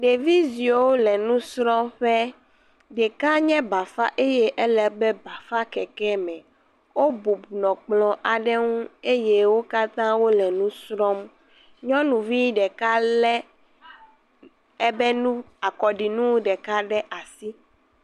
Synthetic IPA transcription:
ɖe˨vi˦zi˨o˨wo˦lɛ˨nũ˦sɾɔ̃˦ɸɛ˦ | ɖɛ˨ka˦ɲɛ̃˦ba˨fa̰˦ʔe˦jɛ˦ʔɛ˦lɛ˨bɛ˦ba˨fa˦kɛ˨kɛ˦mɛ̃˨ | wo˦bu˨bu˨nɔ̃˨k͡plɔ̃˨ʔa˨ɖɛ˦ŋũ˦e˦je˦wo˦ka˦t̪ã˦wo˦lɛ˨nũ˦sɾɔ˦m | ɲɔ̃˦nũ˨vi˦ɖɛ˨ka˦lɛ˦ | ɛ˦bɛ˦nũ˦ | a˨kɔ˨ɖi˨nũ˦wɖɛ˨ka˦ɖɛ˦ʔa˨si˦

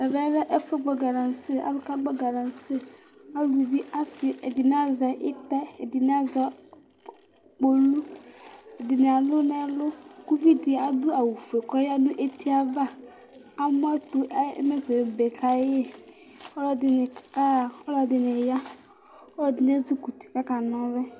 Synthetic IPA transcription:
ɛ˨vɛ˦la˦ʔɛ˦fɛ˦ɡ͡bɔ˨ɡa˨ɾã˨nsɪ˦a̰˨lʊ˦ka˦ɡ͡bɔ˦ɡa˨ɾã˨nsɪ˦ | a˦lu˨u˨bi˦ʔa˦sɪ˨ʔɛ˨dɪ˨nã˦za˨ʔɪ˦ta˦ɛ˨dɪ˨nɪ˦a˦za˨ | k͡po˨lu˦ | ɛ˨dɪ˨nɪ̃˨a˨lʊ˦nɛ̃˨lʊ˦ku˦vi˦dɪ˨a˨dʊ˦a˨wu˨fu˨e˨kɔ˦ja˦nʊ̃˦ʔe˦tʰi˦a˦va˦ | a˦mʊ˦a˦tʊ̰˦mɛ˦fe˨be˨kʰa˨˦ɛ˦ | ɔ˦lɔ˦dɪ˨nɪ˨˦˨ | ɔ˦lɔ˨dɪ˨nɪ̃˨ja˦ | ɔ˦dɪ˨n˦ɛ˦d͡zʊ˦ku˨ti̥˨ka˦ka˨nɔ̃˦bɛ˦

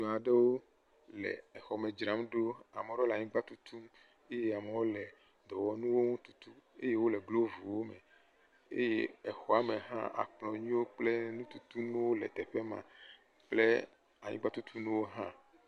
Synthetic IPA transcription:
ɲɔ̃˨a˨ɖe˦wo˦ | lɛ̰˨ɛ˨xɔ˨me˨d͡ʒɾã˨˦mɖo˦a˨me˨˦ɾɔ˦le˨a˨ɲĩ˦ɡ͡ba˦t̪u˦t̪ʰu˦m | e˦je˦a˨me˨wo˦lɛ˨ | d̪ɔ˨wɔ˨nũ˦wo˦ŋũ˦t̪u˨t̪u˦e˦je˦wo˦lɛ˨ɡlo˦vu˨wo˦me˨ | ḛ˦je˦ɛ˨xɔ˨a˦me˨ɦã̰˦ʔa̰˨k͡plɔ̃˨ɲĩ˦wo˦k͡ple˦nũ˦t̪u˨t̪u˦nũ˦wo˦lɛ̰˨t̪ɛ˨ɸe˦mã̰˨ | k͡plḛ˦ | a˨ɲḭ̃˦ɡ͡ba˦t̪u˦t̪ʰu˦nũ˦wo˦ɦã̰˦

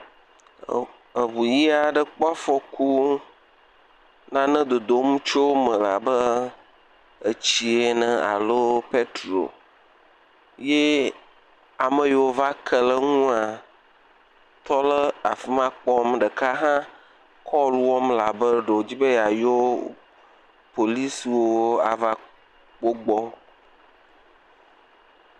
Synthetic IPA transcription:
ə˨βu˨ji˦a˨ɖə˨k͡pɔ˦a˦fɔ˦ku˦ | nã˦nə̃˦d̪o˨d̪o˨˦mũ˦t͡ʃo˦mə̃˨la̰˨bə˦ | ə˨t͡ɕi˦e˨nə̃˨a̰˨lo˦pe˦t̪ɾo̰˨ | je˦ | a˨mə̃˨je˨wo˦va˦kʰə˦lə˦ŋũ˦a˨ | t̪ɔ˦lə˦a˨fi˦mã˦k͡pɔ˦mɖə˨ka˦ɦã˦ | kʰɔ˦lwɔ˦mla˨bə˦ɖo˨d͡ʑi˦be˦ja˨jo˦ | po˨li˦swo˦a˨va˦ | k͡po˦ɡ͡bɔ˦

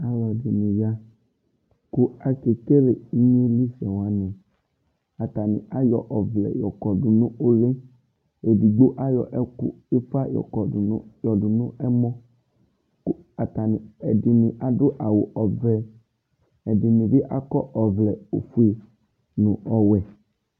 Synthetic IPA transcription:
a˦wɔ˨dɪ˨nĩ˨ja˦ | kʊ˦a˦ke˨ke˦le˨˦ɲ˦e˦li˦sɛ˨wa˦nɛ̃˨ | a˨t̪a˨nɪ̰̃˨ʔa˦jɔ˨ʔɔ˨vlɛ̰˨jɔ˨kɔ˨dʊ˨nʊ̃˦ʔo˦le˦ | e˨di˨ɡ͡bo˦ʔa˦jɔ̰˨ʔɛ˦kʊ̰˦ | ɪ˦fa˦jɔ̰˨kɔ˨˦jɔ˨dʊ˨nʊ̃˦ɛ˦mɔ̃˦ | k | a˨ta˨nɪ˨ɛ˨dɪ˨nɪ̃˨ʔa˨dʊ˦ʔa˨wʊ˨ʔɔ˨vɛ˦ | ɛ˨dɪ˨nɪ̃˨bɪ˦ʔa˦kɔ˦ʔɔ˨vlɛ˨o˨fu˦e˨ | nʊ̃˨ɔ˨wɛ˨

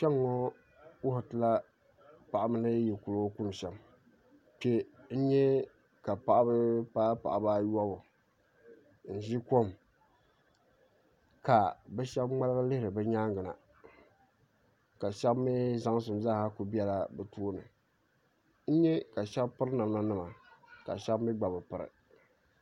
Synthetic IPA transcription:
ʃɛ˦ŋːɔ˦ | wʊ˦ha˨tɨ˨la˦ | pa˨ʔa˦mɨ˦nɨ˦ji˨ku˨lo˦ku˦n˨ʃɛ˨m | pe˦n̩˦ɲɛ˦ | ka˨pa˨ʔa˦bɨ˦paː˦pa̰˨ʔa˨baː˦ja˦bʊ˨ | n̩˦˨ʒi˦ko˦˨m | ka˨bɛ˦ʃɛ˦bŋ͡ma˦lɨ˦ɣɨ˦lɨ˦hɾɨ˨bɛ˦ɲaː˦ŋɡɨ˨na̰˨ | ka˨ʃɛ˦bmi˦za˦ŋ˦s̬ɨ˨mzaː˦˨ha˦ku˨bi˦ɛ˦la˦bɨ˨tu˦nɨ̰˨ | n̩˦ɲɛ˦ka˨ʃɛ˦bpɨ˦ɾna˨mna˦nɨ˦ma˨ka̰˨ʃɛ˦bmi˦ɡ͡ba˨bɨ˨pɨ˨ɾɨ̰˨

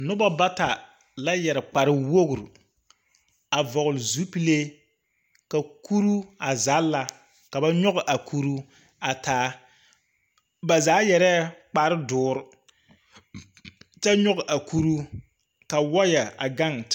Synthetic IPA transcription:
nʊ˦ba˦ba˦ta˨ | la˦jɛ˨ɾɨ˨k͡pa˨ɾɨ˦wo˦ɡʊ˨ɾ | a˨vɔ˨ɣʊ˨lɪ˨zu˦pi˦le˦ | ka˨kʰu˦ɾu˦a˨zaː˨˦la˨ | ka˨ba˦ɲɔ˦ɣʊ˨ʔa˨kʰu˦ɾu˦ | a˨tʰaː˨˦ | ba˨zaː˨˦jɛ˨ɾɛ˦k͡pa˨ɾɨ˦dʊː˦ɾʊ˦ | t͡ʃa˦ɲɔ˦ɣʔa˨ku˦ɾu˦ | ka˨wɔ˦ja˨a˨ɡa˦˨ŋ

